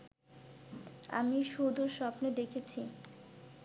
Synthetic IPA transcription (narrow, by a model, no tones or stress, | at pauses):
a̰miʃud̪ʱuɾʃɔpned̪ekʰet͡ɕʰi